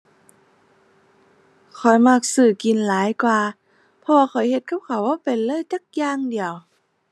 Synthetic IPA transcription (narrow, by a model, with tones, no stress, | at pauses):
kʰɔ˨˩jma˧˩k̚sɯː˧˩ki˨˩˨nlaː˨˦jkwaː˧ | pʰɔ˧waː˧xɔ˨˩jhe˧t̪̚ka˧˥˩p̚kʰa˨˩wbɔː˧˥˩pe˨˩nlɤː˧˥˨jt̪a˧˥˩k̚jaː˧˨ŋdi˨əw